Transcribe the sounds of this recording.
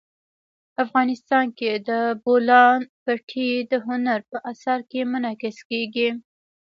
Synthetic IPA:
afɣɑnɪst̪ɑnked̪əbolɑnpaʈʰid̪əɦʊnaɾpəʔasaɾkemʊnɑkɪskeɡi

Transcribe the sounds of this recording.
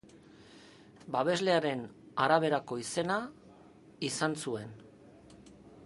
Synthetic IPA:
baβ̞e̞zle̞aɾe̞n | aɾaβ̞e̞ɾako̞ise̞na | isansue̞n

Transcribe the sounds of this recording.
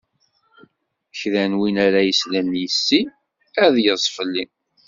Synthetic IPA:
çðænwinæɾæjəslænjəsːi | æðjəzˤfəlːi

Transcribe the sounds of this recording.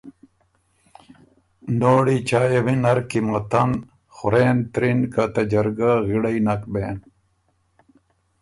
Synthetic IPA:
noːɽit͡ɕaːjewinɐɾkimɐt̪ɐn | xʊɾeːnt̪ɾinkɐt̪ɐd͡ʑɐɾɡaɣiɽɐinɐkbeːn

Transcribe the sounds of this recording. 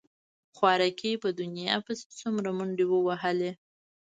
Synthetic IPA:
xwɑɾakepəd̪ʊnjɑ̰pəse̥t͡sumɾamʊɳɖewəwaɦəle

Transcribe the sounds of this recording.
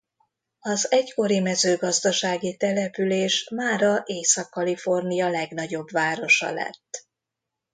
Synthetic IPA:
ɒzɛcko̞ɾimɛzøːɡɒzd̪ɒʃaːɡit̪ɛlɛpyleːʃmaːɾɒʔeːsɒkːɒlifo̞rnijɒlɛɡn̪ɒɟo̞bʋaːɾo̞ʃɒ̰lɛ̰t̪ː

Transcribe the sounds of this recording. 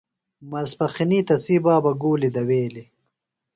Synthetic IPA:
mɐspɐxiniːt̪ɐsiːbaːbɐɡuːlid̪ɐweːli

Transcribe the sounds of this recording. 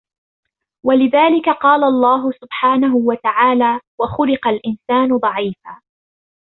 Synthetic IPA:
walɪðaːlɪkaqɑːlaɑlˤːɑːɦʊsʊbħaːnaɦʊwat̪aʕaːlaːwaxʊlɪqɑlʔɪnsaːnʊd̪ˤɑʕiːfaː

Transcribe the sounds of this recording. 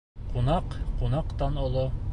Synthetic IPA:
qunɑqqunɑqt̪ɑnŏlˠo

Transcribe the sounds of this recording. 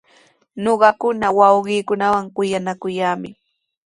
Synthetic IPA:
ɲoɢɑkʊnawɑwɢiːkʊnawaŋkʊjanakʊjaːmɪ̰

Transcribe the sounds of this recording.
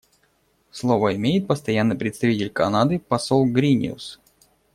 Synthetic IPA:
slˠovəɪmʲejɪt̪̚pəst̪ɐjanːɨjpɾʲɪt̪st̪ɐvʲitʲɪlʲkɐnad̪ɨpɐsolˠɡɾʲinʲɪ̰ʊ̰s

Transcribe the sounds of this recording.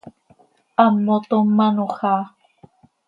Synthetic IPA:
ʔamot̪omanuxa

